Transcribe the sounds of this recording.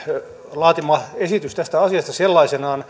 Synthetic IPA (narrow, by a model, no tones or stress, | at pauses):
lɑːt̪imɑesit̪yst̪æst̪æɑsiɑst̪ɑselːɑisenɑːn